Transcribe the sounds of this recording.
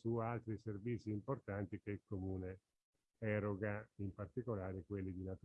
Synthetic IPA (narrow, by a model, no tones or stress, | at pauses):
sualt̪ɾiservit̪sːiːmport̪ant̪ikeilkomuːne | ɛɾoɡaimpart̪ikolaːɾekwelːid̪inat̪